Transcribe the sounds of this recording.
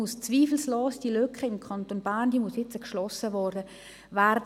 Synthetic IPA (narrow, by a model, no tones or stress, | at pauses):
ust͡sʋiːfl̩sloːsd̥ilœkχəɪmkʰɑntoːnbæːnd̥imushɪt͡səkʃlɔsəvɔːrdə | værd